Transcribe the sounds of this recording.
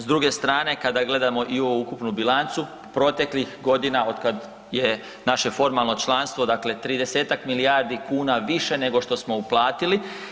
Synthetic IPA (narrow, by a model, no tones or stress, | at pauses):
zd̪ɾuɡe̞st̪ɾaːne̞kad̪aɡle̞d̪amo̞ʔioʋuukupnubilant̪su | pɾo̞t̪e̞klixɡo̞d̪inao̞d̪kad̪ | je̞ | naʃe̞fo̞ɾmalˠno̞t͡ʃlˠanst̪ʋo̞d̪akle̞t̪ɾiːd̪e̞se̞ːt̪akmiliaɾd̪ikuːnaʋiʃe̞ne̞ɡo̞ʃt̪o̞smo̞uplˠaːt̪ili